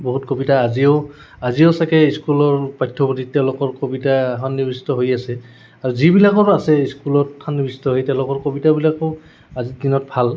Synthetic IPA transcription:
boɦutkobitaːzio | aziosakɛiskulɔɹpajtʰːɔbɔtitɛʊ̃lokɔɹkobitaɦɔnːibisi̥tɔɦojasɛ | aɹuzibilakɔɹasɛiskulɔttʰanːibisi̥tɔɦoijtɛʊ̃lokɔɹkobitabilakoʊ | azidinɔt̚bʱal

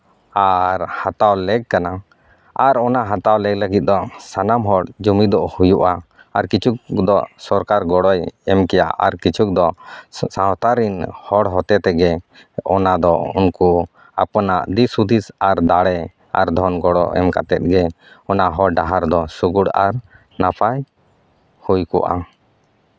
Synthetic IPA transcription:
aɾhat̪awlɛɡ̚kana | aɾɔnaɦat̪awlɛɡləɡit̪̚d̪ɔsanamɦɔɽd͡ʒumid̪ɔʔhujuʔaː | ɾkit͡ʃʰuk̚d̪ɔsɔɾkaɾɡɔɽɔjɛmkɛja̰ʔa̰ɾkit͡ʃʰuk̚d̪ɔsaɦɔt̪aɾinhɔɽɦɔt̪ɛt̪ɛɡɛ | ɔnad̪ɔṵnku | apɔnaʔd̪isud̪ʱisaɾd̪aɽɛ | a̰ɾd̪ʱɔnɡɔɽɔ̰ʔɛ̰mka̰t̪ɛ̰t̪̚ɡɛ | ɔnaɦɔɖaɦaɾd̪ɔsuɡuɽaɾ | napʰaj | hujkɔ̰ʔa̰

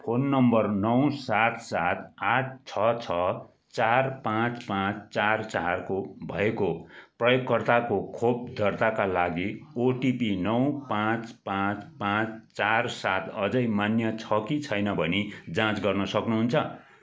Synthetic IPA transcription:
pʰonːʌmbʌrnʌw̃sat̪ʰsat̪ʰat̚t͡sʰʌt͡sʰʌ | t͡sarpãt͡spãt͡st͡sart͡sarkobʱʌ̰ekoprʌjoɡːʌrt̪akokʰob̚d̪ʱʌrt̪akalaɡioʈipinʌw̃pãt͡spãt͡spãt͡st͡sarsat̪ʰʌd͡zʌjmanjʌt͡sʰʌkit͡sʰʌjnʌbʱʌnid͡zãt͡sɡʌrnʌsʌknuɦunt͡sʰʌ

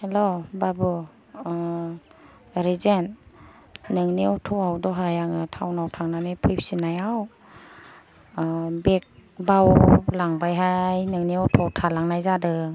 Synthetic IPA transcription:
helobabu | ɾizenː | ɯŋneutʰɔawdɔɦajaŋɯtʰawnawtʰaŋnanepʰɯjp̚sinajaw | bek̚bawlaŋbajɦajnɯŋneɔtʰawtʰalaŋnajzadɯ

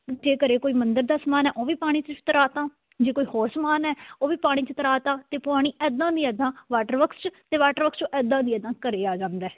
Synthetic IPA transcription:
d͡ʒeːkəɾeːkoːiːmənd̪əɾd̪aːsəmaːnɛːʔoːʋiːpaːɽ̃ĩːt͡ʃt͡ʃt̪əɾaːt̪ãː | d͡ʒeːkoːiːhoːɾsəmaːnɛːoːʋiːpaːɽ̃iːt͡ʃət̪əɾaːt̪ãːt̪eːpʊaːɽ̃iːʔɛːd̪ãːd̪iːɛːd̪ãːʋaːʈəɾʋəkst͡ʃt̪eːʋaːʈəɾʋəkst͡ʃõʔɛːd̪ãːd̪iːɛːd̪ãːkəɾeːaːd͡ʒãːnd̪ɛː

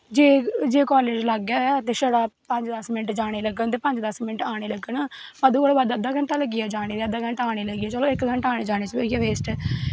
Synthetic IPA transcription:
d͡ʒeːd͡ʒeːkaːleːd͡ʒləɡaːt̪eːsəɽaːpə̃ɲd͡ʒd̪əsmɪnəʈd͡ʒaːɽ̃eːləɡənt̪eːpə̃ɲd͡ʒd̪əsmɪnəʈaːɽ̃eːləɡənpəd̪uːolːʋəd̪əd̪aːkəɳʈaːləɡɪjɛːd͡ʒaːɽ̃eːt̪eːəd̪aːkəɳʈːaːɽ̃eːləɡiɛːt͡ʃəlõːɪkɡəɳʈaːneːd͡ʒaːɽ̃eːt͡ʃʋəiɛːʋeːsʈː

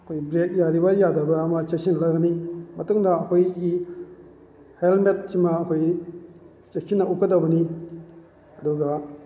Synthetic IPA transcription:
əkʰojbɾɛk̚jaɾibajadaɾbaɾamat͡ʃasinlaɡanimɐt̪uŋdaːkʰojki | hɛlmɛt̚t͡ʃimaːkʰoj | t͡ʃekʰinaʔukːadabɐni | aduɡa

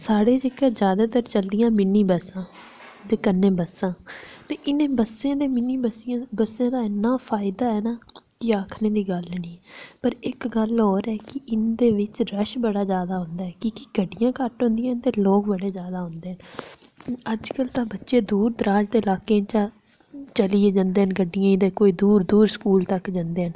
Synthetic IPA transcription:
saːɽeːd͡ʒɪkəd͡ʒjaːd̪aːt̪əɾt͡ʃəld̪ɪjãːmɪnĩːbəsãː | d̪eːkənːẽːbəsːãːt̪eːʔɪnẽːbəsãːd̪eːmɪniːbəsãbəsãːd̪aːɪnːãːpʰaːɪd̪aːɛːnaːkɪaːkʰnẽːd̪iːɡəlnĩːpəɾɪkɡəlɦoːɾɛːkɪʔɪnd̪eːʋɪt͡ʃɾəʃbəɽaːzjaːd̪aːɦʊ̃nd̪aːɛːkiːkɪɡəɖːɪjãːkəʈɦõnd̪ijãːnt̪eːloːkbəɽeːzjaːd̪aːɦʊ̃nd̪eːɦən | əd͡ʒkəlt̪ãːbətːʃeːd̪uːɾd̪əɾaːd͡ʒd̪eːlaːkẽːt͡ʃãː | t͡ʃəliːeːd͡ʒãnd̪eːɦənɡəɖːɪjãːĩd̪eːkoːiːd̪uːɾd̪uːɾskuːlt̪əkd͡ʒãnd̪eːɦən

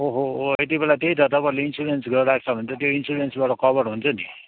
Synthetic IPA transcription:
oɦoet̪̬ibelat̪eɦit̪ʌt̪ʌpaĩleinsuɽensɡʌɾɾak̚t͡sʰʌbʱʌnt͡s̪ʌt̪joinsuɾensbaʈʌkʌbʌɽɦunt͡sʰʌni

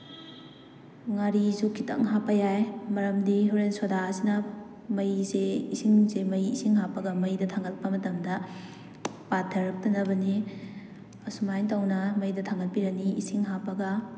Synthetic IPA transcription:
ŋaɾizukʰitɐ̰ŋɦapːɐjajmɐɾɐmdiɦuɾensodasinɐ | mɐjzeisiŋzemɐjisiŋhapːɐɡɐmɐjdɐtʰaŋɡɐt̚pɐmɐtɐmdɐ | patʰːɐɾɐk̚tɐnɐbɐni | ɐsumajntawnɐmɐjdɐtʰaŋɡɐt̚piɾɐniisiŋɦapːɐɡɐ

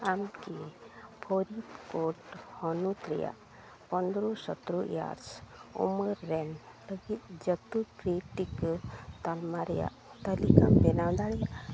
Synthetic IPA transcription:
amkipʰoɾit̪koʈhɔnut̪ɾɛ̰ja̰ʔ | pɔnd̪ɾɔsɔ̰t̪ɾuja̰ɾsṵməɾːɛn | bəɡit̪̚d͡ʒət̪upɾiʈikt̪almaɾɛja̰ʔt̪əlikambɛnawd̪aɽɛjaʔ

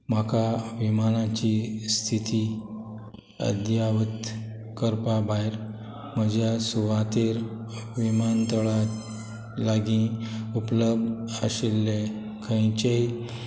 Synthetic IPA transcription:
makʰaʋimanat͡ɕist̪ʰit̪i | ə̰d̪jaʋət̪ | kəɾpabʱajɾ | məd͡ʑjasuʋat̪eɾʋimant̪əɭat̪ | laɡĩupləbd̪əɕilːe | kʰə̃jt͡ɕei

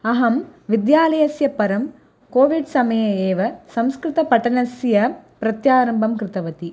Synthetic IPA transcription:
ɐɦɐmʋɪd̪jaːlɐjɐsjɐpɐɾɐm | koːʋɪɽsɐmɐjɐeːʋɐsɐmskɾɪt̪ɐpɐʈːɐnɐsjɐpɾɐt̪jaːɾɐmbɐmkɾɪt̪ɐʋɐt̪i

